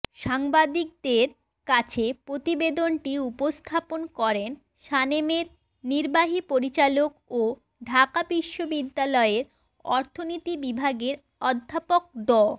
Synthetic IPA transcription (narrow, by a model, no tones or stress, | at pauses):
ʃaŋbad̪ik̚d̪eɾ | kat͡ɕʰepɾot̪ibed̪onʈiupost̪ʰaponkɔɾen | ʃanemeɾ | niɾbaɦipoɾit͡ɕalok̚o | ɖʱakabiʃːobid̪ːalɔeɾ | ɔɾt̪ʰonit̪ibibʱaɡeɾ | ɔd̪ʱːapok̚d̪ɔ